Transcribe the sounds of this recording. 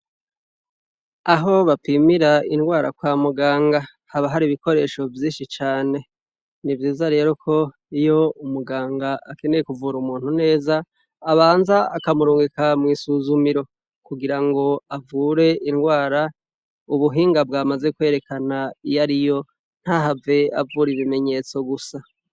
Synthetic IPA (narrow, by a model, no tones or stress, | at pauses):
aɦo̞βapimiɾainɡwaːɾa̰kwaːmuɡaːŋɡa | haβaɦaɾiβiko̞ɾe̞ːʃo̞vjiːnʃit͡ʃaːne̞ | nivjiːzaɾe̞ːɾo̞kʰo̞ | ijo̞umuɡaːŋɡaake̞ne̞je̞kuvuːɾumuːn̥hune̞ːzaː | βaːnzaakamuɾuːŋɡekamŋiːsuːzumiɾo̞ | kuɡiɾaŋɡo̞avuːɾe̞inɡwaːɾa | uβuɦiːŋɡab̚ɡaːmaze̞kwe̞ːɾe̞kanaijaɾijo̞ | n̥haɦave̞a̰vuɾiβime̞ɲe̞t͡so̞ɡusa